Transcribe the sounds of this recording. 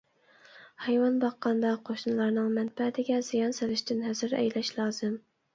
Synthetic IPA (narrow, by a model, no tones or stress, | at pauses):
hɛjwɑnbɑqːɑnd̪ɑqʰoʃnɨlˠɑɾnɨŋmɛnbɛht̪ʰɪɡʲɛz̥ijɑnselɪʃt̪ɪnɦɛzɪɾɛ̰jlɛʃlˠɑːz̥ɨm